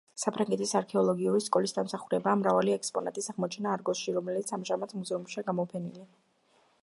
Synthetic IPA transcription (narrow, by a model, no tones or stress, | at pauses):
sapʰɾaŋɡɛt̪ʰisaɾkʰɛɔlˠɔɡiuɾiskʼɔlisd̪amsaχuɾɛbaːmɾavaliɛkspʼɔna̰t̪ʼisaʁmɔt͡ʃʰɛnaːɾɡɔsʃiɾɔmɛlit̪sʰamʒamat̪ʰmɡzɛumʃiaɡamɔpʰɛnilia